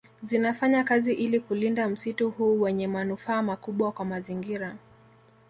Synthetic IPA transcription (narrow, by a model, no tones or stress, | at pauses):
zinafaɲakaziʔilikulindam̩situhuːwɛɲɛmanufaːmakuɓwakwamaziŋɡiɾa